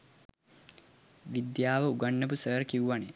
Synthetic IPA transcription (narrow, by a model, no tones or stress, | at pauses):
ʋid̪jaːʋəuɡaɳːəp̬usəːɾkiwʋane